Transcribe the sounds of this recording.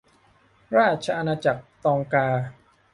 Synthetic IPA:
ɾaː˥˩t̪̚t͡ɕʰa˧ʔa˧naː˧t͡ɕa˨˩k̚t̪ɔː˧ŋkaː˧

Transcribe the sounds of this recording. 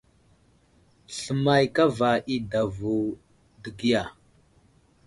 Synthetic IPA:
ɬə˨ma˨jka˦va˨ʔi˦da˨vu˨ | də˨ɡi˦ja˨

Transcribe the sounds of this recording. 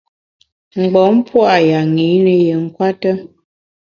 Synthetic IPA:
ŋ͡m̩˨ɡ͡bɔ˨˦m̩˦pwa˦˨ja˨ŋi˨˦nə˨jə˨ŋ̩˦kwa˦tə˦

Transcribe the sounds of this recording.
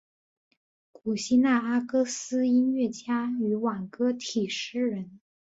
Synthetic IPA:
ku˨˩ɕi˥na˥˩a˥kɤ˥sɹ̩˥i˥nɥɛ˥˩t͡ɕja˥y˧˥wa˨˩nkɤ˥t̪ʰi˨˩ʂɻ̩˥˩ɻə˧˥n

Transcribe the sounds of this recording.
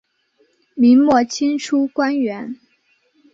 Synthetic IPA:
mi˧˥ŋmwɔ˥˩t͡ɕʰi˥nʈ͡ʂʰu˥kwa˥nɥɛ˧˥n

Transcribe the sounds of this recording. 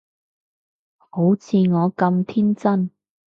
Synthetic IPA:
ho˨˥wt͡sʰiː˧ŋɔː˨˧kɐ˧mt̪ʰiː˥nt͡sɐ˥n

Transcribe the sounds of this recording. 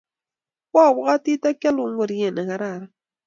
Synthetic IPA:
wa˦˨βu˦ɣa˦ti˦ta˦ka˦lu˨ŋ˦ɡo˨ɾi˨˦ɛ˨na˨ka˨ɾa˦˨ɾa˦

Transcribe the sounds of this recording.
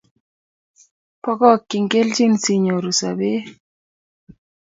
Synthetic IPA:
pɔ˦kɔ˦kːi˨ŋɡe˦lt͡ʃi˦nsi˨ɲo˨ɾu˨sa̰˨be˦

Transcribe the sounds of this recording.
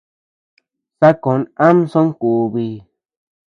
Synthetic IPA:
sa˦ko˨˦nã˦msõ˦ŋ˦ku˨βi˧

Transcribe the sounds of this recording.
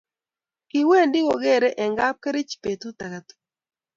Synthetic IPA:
kɪ˨we˦˨ndɪ˦wo˨ɡe˦˨ɾe˦ʔɛ˨ŋɡa˦p̚ke˦ɾɪ˦t͡ʃi̥˨pe˨t̪u˦t̪a˨ka˨t̪

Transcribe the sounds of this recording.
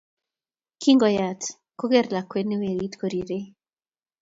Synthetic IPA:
ki˦ŋɡɔ˨ja˨t | ko˦ɡɛ˦ɾla˨kwe˦ni˦we˨ɾi˦tko˨ɾi˨ɾe˦

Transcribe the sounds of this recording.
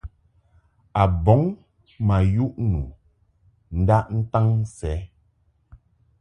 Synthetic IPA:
a˨bɔ˨˦ŋ | ma˨ju˦ʔnu˨ | n̩˦da˦ʔn̩˦ta˦ŋ˦sɛ˨˦

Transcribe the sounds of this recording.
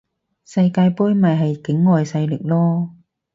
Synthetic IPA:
sɐ˧jkaː˧jpuː˥jmɐ˨jɦɐ˨jkɪ˨˥ŋːɔː˨jsɐ˧jlɪ˨˩k̚lɔː˥

